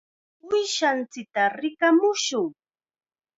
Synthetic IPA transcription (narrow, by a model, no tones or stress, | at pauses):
ʊjʃant͡sɪk̚t̪aɾɪkamʊʃʊŋ